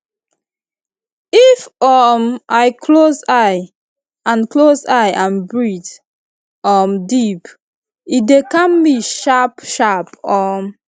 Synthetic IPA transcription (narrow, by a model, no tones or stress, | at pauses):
ifɔmʔaɪkʰlozaɪ | ãnklozaɪʔãnbɹit | ɔmdip | idekãmbiʃapʃapɔm